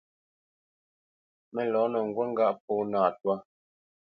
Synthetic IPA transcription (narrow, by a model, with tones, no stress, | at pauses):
mɛ˨lɔː˨˦nə˨ŋ̩˨ɡwɛ˦ŋ˦ɡa˦ʔp̚ɔː˦naː˦˨twa˦